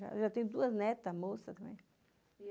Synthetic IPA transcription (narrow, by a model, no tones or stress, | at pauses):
a̰ʒat̪ẽj̃d̪uɐznɛt̪ɐmosɐt̪ɐ̃mḛ̃j̃